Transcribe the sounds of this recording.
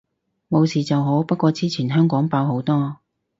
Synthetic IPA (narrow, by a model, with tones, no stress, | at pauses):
mo˨˧wsiː˨˩t͡sɐ˨wɦo˨˥wpɐ˥t̚kʷɔː˧t͡siː˥t͡sʰiː˨˩nɦœː˥ŋkɔː˨˥ŋpaː˧wɦo˨˥wt̪ɔː˥